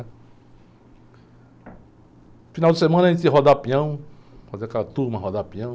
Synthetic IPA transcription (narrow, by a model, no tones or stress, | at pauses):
finawd͡ʒɪsemɐ̃nɐʒẽt͡ʃiɦɔd̪apĩɐ̃w̃fazeakɛlɐt̪uɾmɐ̃ɦod̪apĩɐ̃